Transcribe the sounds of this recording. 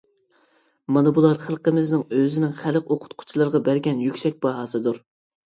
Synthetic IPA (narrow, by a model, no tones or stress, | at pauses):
mɑnɨbulˠɑɾχəlˠqəmɪznɪŋøzɪnɪŋχæləqoqʰʊ̥t̪̚qʰʊ̥t͡ʃʰilˠɑɾʁɑbæɾɡʲɛnjykʲsɛk̚ʲb̥ɑɦɑːsɨd̪uɾ